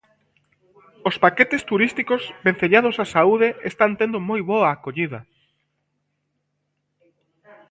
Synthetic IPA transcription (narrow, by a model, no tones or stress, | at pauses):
ospaket̪est̪uɾist̪ikozbẽn̟θeʎað̞osasauðeʔest̪ant̪end̪omojβoaːkoʎiðɐ